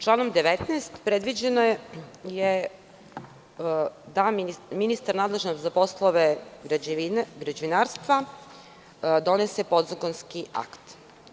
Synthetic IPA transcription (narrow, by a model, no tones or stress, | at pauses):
t͡ʃlˠaːnomd̪eʋet̪neːst̪pɾed̪ʋid͡ʑenoje | d̪amminist̪aɾnaːd̪lˠe̞ʒnost̪zapo̞slˠoʋeɡɾaɡɾad͡ʑeʋinaːɾst̪ʋa | d̪o̞nesepo̞d̪zakonskia̰kt̪